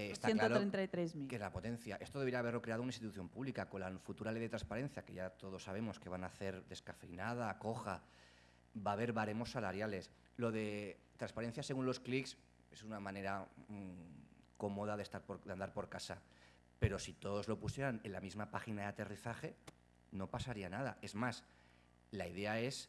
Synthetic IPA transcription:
est̪aenk̪oɾoɾent̪ajt̪ɾezmikenlapo̞t̪ẽ̞n̟θjaʔe̞st̪oðeɾiaβ̞e̞ɾlo̞kɾe̞aðounaĩst̪it̪uθjo̞mpuβlikako̞nlafut̪uɾalejðe̞t̪ɾãnspaɾe̞n̟θjake̞ʝat̪o̞ð̞o̞sːaβ̞e̞mo̞ske̞β̞anaθe̞ɾd̪e̞skafɾinað̞ako̞xa | baːβ̞e̞ɾβaɾe̞mo̞sːalaɾjale̞s | lo̞ðe̞t̪ɾanspaɾen̟θjase̞ɣunlo̞skliks | e̞sunamãne̞ɾa | ko̞mo̞ð̞aðe̞st̪aɾdand̪aɾpo̞ɾkasa | pe̞ɾo̞sit̪o̞ðo̞zlo̞pusje̞ɾane̞nlamizmapaxinaðeat̪e̞riθaχe̞ | no̞pasaɾianaða̰e̞zmas | laiðe̞ae̞s

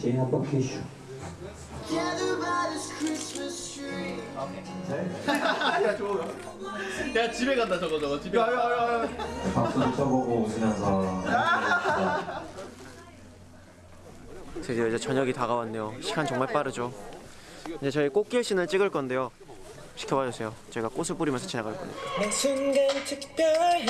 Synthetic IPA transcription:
t͡ɕeinapʌkʰeɕu | kʰɛnəbaɾɪskʰɹɪsməs | okʰe | jat͡ɕoa | jat͡ɕibeɣandat͡ɕʌɡʌd͡ʑʌɡʌt͡ɕibeajoaɾoepaks͈uit͡ɕʰʌɡoɡosʰɯmjʌnsʰʌ | t͡ɕʌɡidʌid͡ʑe̞t͡ɕʌɲʌɡitaɣawanːejoɕʰiɡant͡ɕʌŋmaɭp͈aɾɯd͡ʑo | ind͡ʑet͡ɕʌik͈ok͈̚iɭɕ͈inɯɭt͡ɕ͈iɡɯɭk͈ʌnde̞jo | ɕʰi̥kʰʌbʌd͡ʑʌsʰe̞jot͡ɕʌiɡak͈osʰɯɭp͈uɾimjʌsʰʌt͡ɕinaɡaɭk͈ʌɲḭk͈asʰɯnɡet͡ɕʰikt͈ʌ

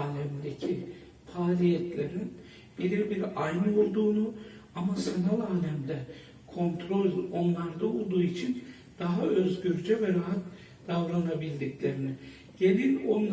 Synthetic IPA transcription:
aːlʲɛmd̪ecʰi | faːlʲijɛt̪ʰlʲeɾin | bilʲiɾbiɾajnɯo̞lˠd̪uːnuamasanalˠaːlʲɛmd̪ɛ | kʰo̞nt̪ʰɾo̞lʲo̞nlˠaɾd̪ao̞lˠd̪uːit͡ʃʰin | d̪̥aɦaʔøzɟyɾd͡ʒɛvɛɾaɦat̪ | d̪̥avɾanabilʲd̪iclʲe̞ɾinɪ | ɟ̥e̞lʲinon

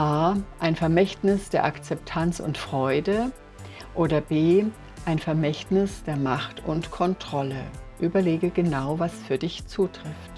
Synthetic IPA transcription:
ʔaːʔaɪnfɛɐmɛçtnɪsd̥eːɐʔakt͡sɛp̚tʰant͡sʊ̰ntfʁ̥ɔʏdə | ʔoːdɐbeː | ʔaɪnfɛɐmɛçtnɪsd̥eːɐmaχtʊ̰ntkʰɔntʁ̥ɔləʔyːbɐleːɡəɡənaʊvasfyːɐdɪçt͡suːtʁ̥ɪft

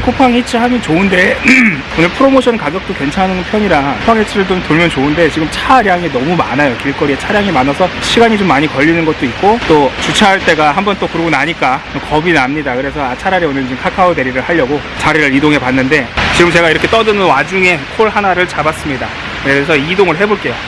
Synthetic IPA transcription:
kʰopʰaŋit͡ɕ͈ʰiɦamjʌnt͡ɕoɯnde̞ | onɯɭpʰɯɾomoɕʰʌnkaɡjʌk̚t͈okwe̞nt͡ɕʰanɯnpʰjʌɲiɾaopʰaŋɦet͡ɕʰiɾɯɭtotuɭmjʌnt͡ɕoɯnde̞t͡ɕiɡɯmt͡ɕʰaɾjaŋenʌmumanajokiɭk͈ʌɾiet͡ɕʰaɾjaŋemanasʰʌɕʰiɡaɲit͡ɕomːaɲikʌʎːinɯnɡʌt̚t͈oit̚k̚k͈ot͈ot͡ɕut͡ɕʰaːɭt͈e̞ɡaɦambʌnt͈okuɾɡonaɲik͈aokʌbinamɲidakɯɾe̞sʰʌat͡ɕʰaɾaɾeonɯɭt͡ɕiɯmkʰakʰaode̞ɾiɾɯɭhaʎːʌɡo | t͡ɕʰaɾiɾɯɾidoŋɦe̞panːɯnde̞t͡ɕiɡɯmt͡ɕe̞ɡaiɾʌkʰe̞t͈ʌdɯnɯnwad͡ʑuŋe̞kʰoɭɦanaɾɯɭt͡ɕabas͈ɯmɲida | keɾesʰʌidoŋɯɭɦe̞boɭk͈e̞jo

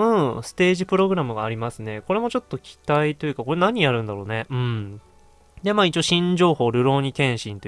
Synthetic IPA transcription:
ɯ̟̃sɨ̥t̪e̞ːʑipɯ̟ɾo̞ɡɯ̟ɾamɯ̟ɡaːɾʲimasɨne̞ko̞ɾe̞mo̞t͡ɕo̞t̪ːo̞kʲʰi̥t̪ait̪o̞jɯ̟kako̞ɾe̞naɲ̟ijaɾɯ̟̃nd̪aɾoːne̞ɯ̟̃ɴ | d̪e̞maːit͡ɕioɕĩɲd͡ʑo̞ːho̞ːɾɯ̟ɾo̞ːɲ̟ikẽ̞ɰ̃ɕĩnt̪o

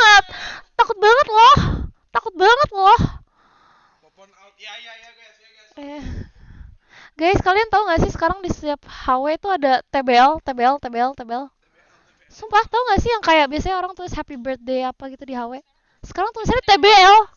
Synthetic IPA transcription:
ət̪̚ːakʊt̪̚baŋət̪̚lɔht̪akʊt̪̚baŋət̪̚lɔh | ja | ɡajsə̥kaliant̪auŋɡaʔsɪhsə̥kaɾaŋdisəiap̚hawet̪uadat̪ebeɛlt̪ebeɛlt̪ebeɛlt̪ebeɛl | sumpat̪auŋɡaʔsɪhjaŋkajak̚biasaɲaoɾaŋt̪uɾʊshɛpibərt̪̚deapaɡit̪udiɦawe | sə̥kaɾaŋt̪uɾʊsadat̪ebeɛl

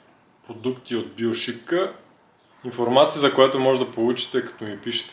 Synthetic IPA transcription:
pɾod̪ukt̪iod̪̚bilˠʃikə | infoɾmat̪siːzɐkojat̪omɔʒɛd̪ɐpolˠut͡ʃi̥t̪ɛkɐ̥t̪ɔmipiʃɛ̥t̪

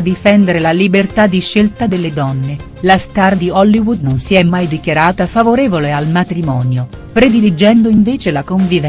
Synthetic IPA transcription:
d̪ifɛnd̪eɾelalibert̪ad̪ːiʃːelt̪ad̪elːed̪ɔnːe | last̪ard̪iɔlːiwud̪nonsiɛmːajd̪ikjaɾaːt̪afavoɾeːvolealmat̪ɾimɔːnjopɾed̪ilid͡ʒɛnd̪oiɱveːt͡ʃelakoɱvivɛ

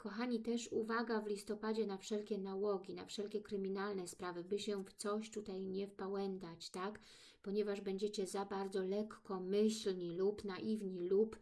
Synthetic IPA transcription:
kɔxaɲit̪ɛʂuvaɡavlʲist̪ɔpad͡ʑɛnafʂɛlkʲɛnawɔɡʲina̰fʂɛlkʲɛkɾɘmʲinalnɛspɾavɘbɘɕɛft̪sɔɕt̪ut̪ajɲɛfpawɛnt̪at͡ɕt̪ak | pɔɲɛvaʐbɛɲd͡ʑɛt͡ɕɛzabaɾd̪zɔlɛkːɔmɘɕlɲilupnaʔivɲilup

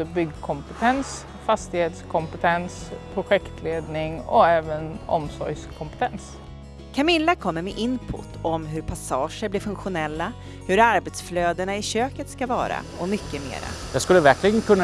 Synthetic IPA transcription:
əbʏɡːkʰɔmpɛt̪ʰɛns | fast̪ɪheːt̪skʰɔmpət̪ʰɛnspʰɾʊɧɛkt̪ʰleːd̪nɪŋɔ̰ɛːvənɔ̰msɔ̰ɾjskʰɔmpɛ̥t̪ʰɛns | kʰamɪlːakʰɔmːəɾmɛʔɪnpʰʊ̰t̪ʰːɔmɦɵɾpʰasɑːʂəɾblɪɾfɵŋkɧʊnɛlːa | hɵɾaɾbɛt̪sfløːd̪əɳaɪɕøːkət̪skavɑ̰ːɾa̰ | ɔmʏkːəmḛːɾa̰j̪askɵlːəvæɾkʰlɪɡənkʰɵnː

